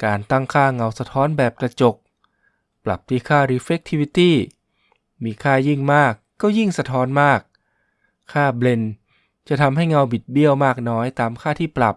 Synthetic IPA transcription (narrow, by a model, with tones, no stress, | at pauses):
kaː˧nt̪a˥˩ŋkʰaː˥˩ŋa˧wsa˧t̪ʰɔː˦˥nbɛː˨˩p̚kɾa˧t͡ɕo˨˩k̚ | pla̰˨˩p̚t̪ʰiː˧˩kʰaː˥˩ɾi˧˥fe˦˥k̚t̪ʰi˧wi˧˥t̪iː˥˩ | miː˧kʰaː˥˩ji˥˩ŋmaː˥˩kːɔː˥˩ji˥˩ŋsa˧t̪ʰɔː˦˥nmaː˥˩k̚ʰː | aː˥˩ble˧n | t͡ɕa˨˩t̪ʰa˧mɦa˥˩jŋa˧wbi˨˩t̪̚bi˥˩əwmaː˥˩k̚nɔː˦˥jt̪aː˧mkʰaː˥˩t̪ʰiː˥˩pɾa˨˩p̚